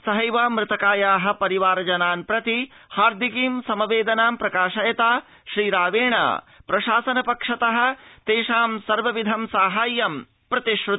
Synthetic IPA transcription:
sɐɦɐjʋaːmɾɪt̪ɐkaːjaːɦɐ̆pɐɾiʋaːɾɐd͡ʒɐnaːnpɾɐt̪i | haːɾd̪ʱikiːmsɐmɐʋeːd̪ɐnaːmpɾɐkaːʃɐjɐt̪aː | ʃɾiːɾaːʋeːɳɐ̰ | pɾɐʃaːsɐnɐpɐkʂɐt̪ɐɦɐ̆t̪eːʃaːmsɐɾʋɐʋid̪ʱɐmsaːɦaːjːɐm | pɾɐt̪iʃɾu

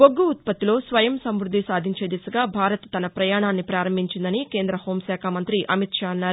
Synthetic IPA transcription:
oɡːuːt̪̚pɐt̪ːilo̞ːsʋɐjɐmsɐmɾud̪ːisaːd̪ʱiɲt͡ʃe̞ːd̪isuɡaːbʱaːɾɐt̪t̪ɐnɐpɾɐjaːɳaːnːipɾaːɾɐmbʱiɲt͡ʃind̪ɐnikeːnd̪ɾɐho̞ːmsɛːkʰamɐnt̪ɾiʔɐmit̪ʂaːɐnːaːɾu

